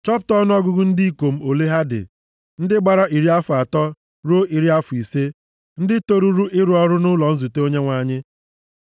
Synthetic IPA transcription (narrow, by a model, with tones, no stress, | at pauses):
t͡ʃɔ˦ptɔ˦nʊ˦ɔ˦ɡʊ˦ɡʊ˦n̩˦di˦i˦ko˨m̩˦o˨le˦ɦa˦dɪ̰˨ | n̩˦dɪ˦ɡ͡ba˨ɾa˦ʔi˨ɾi˦a˦fʊ˨a˨tɔ˦ | ɾo˦i˨ɾi˦a˦fʊ˨i˨se˦ | n̩˦dɪ˦to˦ɾu˦ɾu˦ʔɪ˦ɾʊ˨˦ɔ˦ɾʊ˦nʊ˦lɔ˨n̩˦zu˨te˦o˦ɲe˦ŋʷa˨ɲɪ˦